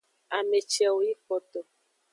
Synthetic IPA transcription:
a˨me˨t͡ʃɛ˨wo˨ji˦fɔ˨t̪o˨

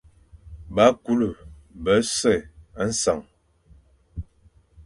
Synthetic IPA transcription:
ba˦ku˦lu˨ | bə˨˦sɛ˦˨a˦n̩˦sa˨ŋ

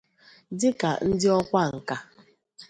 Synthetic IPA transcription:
dɪ˦ka̰˨n̩˦dɪ˦ɔ˦kʷa˦ŋ̩˨ka˦

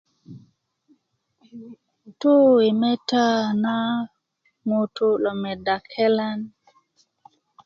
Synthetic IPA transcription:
to˦we˨mɛ˦ta˦na˦ | ŋo˨to˦lɔ˨mɛ˨da˨kʰɛ˦la˦n

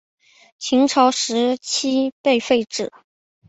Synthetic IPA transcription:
t͡ɕʰi˧˥ŋʈ͡ʂʰɑ˧˥ʊʂɻ̩˧˥t͡ɕʰi˥pe˥˧ɪfe˥˧ɪʈ͡ʂɻ̩̰˨˩˦

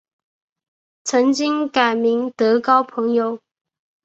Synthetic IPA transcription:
t͡sʰɤ˧˥ŋt͡ɕi˥ŋka˨˩ɪmi˧˥ŋt̪ɤ˧˥kɑ˥ʊpʰɤ˧˥ŋjo˨˩ʊ

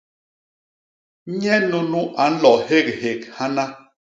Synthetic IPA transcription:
ɲɛ˦nu˦nu˦ʔa˨˦n̩˦lɔ˨he˦˨k̚he˨kha˦na˦

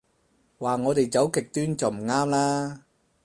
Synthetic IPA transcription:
waː˨ŋɔː˨˧t̪e˨˩jt͡sɐ˨˥wkɪ˨k̚t̪yː˥nt͡sɐ˨wm̩˨˩ŋaː˥mlaː˥

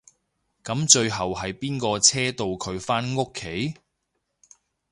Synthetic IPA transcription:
kɐ˨˥mt͡ʃɵ˧ɥɦɐ˨wɦɐ˨jpiː˥nkɔː˧t͡sʰɛː˥t̪o˨˧wkʰɵ˨˧ɥfaː˥nŋʊ˥kʰːe˨˥j

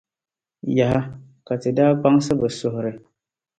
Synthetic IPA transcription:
ja˨ɦa˦ | ka˨tɨ˨daː˦pa˦ŋ˦sɨ˦bɨ˨sʊ˨hʊ˨ɾɪ˨

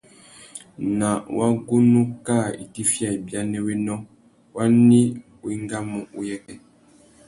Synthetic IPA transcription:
na˨wʔa˦ɡo˦nu˦ka˦˨ḭ˨ti˦fja˨i˨bja˦nɛ˦we˦nɔ̃˦ | wa˦ni˦wi˦ŋ˦ɡa˦mu˨ʔu˦jɛ˦kɛ˨

